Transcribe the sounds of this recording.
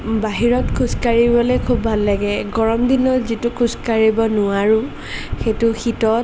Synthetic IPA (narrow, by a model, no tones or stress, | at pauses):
baɦiɹɔtkʰuskaɹibɔlɛkʰubʱalːaɡɛɡɔɹɔmdinɔzitʊkʰuskaɹibɔnʊaɹʊ | xetʊxitɔt